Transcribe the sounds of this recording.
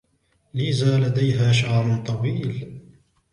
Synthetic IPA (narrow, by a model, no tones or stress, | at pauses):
lɪzaːlad̪ajɦaːʃaʕɾˤʊnt̪ˤɑwiːl